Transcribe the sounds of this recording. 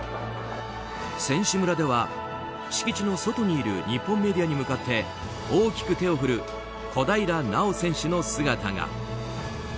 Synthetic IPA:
sẽ̞ɰ̃ɕɨmɯ̟ɾad̪e̞βa | ɕi̥kʲit͡ɕino̞so̞t̪o̞ɲ̟iːɾɯ̟̰ɲ̟ipːõmːe̞d̪ʲijaɲ̟imɯ̟kat̪ʰːe̞ | oːkʲi̥kɯ̟t̪e̞o̞ɸɯ̟ɾɯ̟ | ko̞d̪aiɾanao̞sẽ̞ɰ̃ɕɨno̞sɨɡat̪a̰ɡa̰

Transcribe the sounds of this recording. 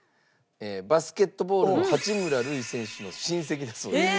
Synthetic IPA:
eːbasɨ̥ke̞t̪ːo̞bo̞ːɾɯohat͡ɕimɯ̟ɾaɾɯ̟isẽ̞ɰ̃ɕɨno̞ɕĩɰ̃se̞k̬ʲid̪asoː

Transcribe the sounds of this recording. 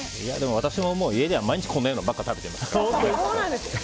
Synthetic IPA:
ija̰d̪e̞mo̞β̞at̪aɕimo̞mo̞ːie̞d̪e̞amaiɲ̟it͡ɕi̥kʰonːajonbakːat̪abe̞t̪eimasõooːnãnd̪es

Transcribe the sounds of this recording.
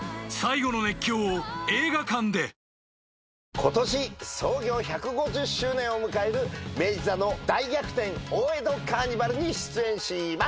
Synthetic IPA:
saiɡo̞none̞kʲːo̞ːoe̞ːɡakãnd̪e̞ | kʰo̞t̪o̞ɕiso̞ːɡʲo̞ːçakɯ̟ɡo̞ʑɨɕːɨːnẽ̞ɰ̃o̞mɯ̟kae̞ɾɯ̟me̞ːd͡ʑizano̞d̪aiɡʲakɯ̟̥t̪ẽ̞ŋoːe̞d̪o̞kaːɲ̟ibaɾɯ̟ɲ̟iɕɨ̥t͡sɨẽ̞ɰ̃ɕima

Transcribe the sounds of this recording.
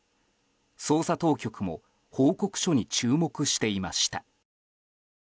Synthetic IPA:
so̞ːsat̪o̞ːkʲo̞kɯ̟mo̞̰ | hoːko̞kɯ̟̥ɕo̞ɲ̟it͡ɕɨːmo̞kɯ̟ɕi̥t̪e̞imaɕi̥t̪a

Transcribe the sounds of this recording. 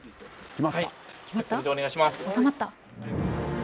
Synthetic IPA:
kʲimaakʲimat̪ːad̪oneɡaiɕimasosamat̪ːa

